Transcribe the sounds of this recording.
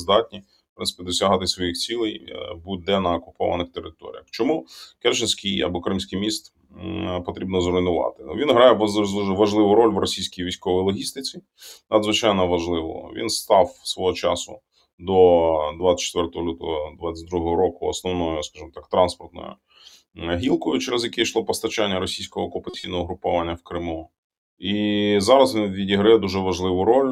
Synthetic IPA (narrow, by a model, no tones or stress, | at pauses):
zd̪ɑtʲnʲi | pɾɪnsɪ̥pʲid̪ɔsʲɐɦɑt̪ɪsʋɔjixt͡sʲilˠɛjbut̪̚ʲd̪ɛnɐɔkʊpɔ̰ʋɐ̰nɪxt̪eɾɪt̪ɔ̰ɾʲḭjɐxt͡ʃɔmukɛrt͡ʃɪnʲsʲkijɐ̰bɔkɾɪmsʲkijmʲist̪ | pɔt̪ɾʲibnɔzɾɔjnʊʋɑ̰t̪ɪʋʲinɦɾɑjɛʋɐʒlˠɪʋʊɾɔlʲʋrɔsʲijsʲkʲijʋʲijsʲkɔʋɔjlˠɔɦʲist̪ɪt͡sʲi | nɐd̪zʋɪt͡ʃɑjnɔʋɐʒlˠɪʋɔ̰ʋʲḭnst̪ɑwsʋɔɦɔt͡ʃɑsʊ̰ | d̪ɔd̪ʋaɐ̥t͡ʃːt̪ʋɛrt̪ɔɦɔlʲut̪ɔ̰ɦɔd̪ʋat͡sʲːɪt̚ʲd̪ɾuɦɔɦɔɾɔkʊɔ̰snɔwnɔjʊskɑʒɨmt̪ɑkt̪ɾɑnspɔrt̪nɔ̰jʊ̰ | ɦʲilˠkʊjʊt͡ʃeɾezjɐkʲɛʃlˠɔpɔst̪ɐt͡ʃanʲːɐɾɔsʲijsʲkɔɦɔkɔpɐt͡sʲijnɔɦɔɦɾʊpʊʋanʲːɐwkɾɪmu | izɑɾɐzʋʲinʋʲidʲiɦɾɐjɛd̪uʒɛʋɐʒlˠɪʋʊɾɔlʲ